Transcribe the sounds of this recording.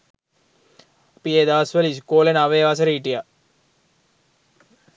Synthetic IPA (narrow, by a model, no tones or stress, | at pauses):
apieːd̪aʋɐsʋəliskoːlenaʋeːʋasəɾiːʈija